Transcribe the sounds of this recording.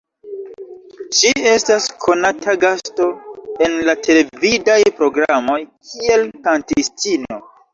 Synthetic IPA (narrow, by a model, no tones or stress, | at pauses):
d͡ʒie̞staskʰo̞nataɡasto̞e̞nlatʰe̞le̞vidajpɾo̞ɡɾamo̞jkʰie̞lkantistino̞